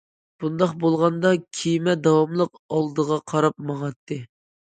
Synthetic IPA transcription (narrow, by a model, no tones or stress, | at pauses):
b̥und̪ɑqbolˠʁɑnd̪ɑkʲʰijmɛd̪ɑwɑmlˠəq | ɑlˠd̪əʁɑqʰɑɾɑp̚mɑŋɑt̪ʰːɨ